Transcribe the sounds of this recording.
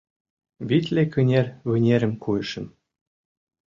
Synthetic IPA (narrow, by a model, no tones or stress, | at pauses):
βit̪ʲlʲekɯ̆nʲerʲβɘ̆nʲeɾʲɘ̆mkujɤ̆ʃɘ̆m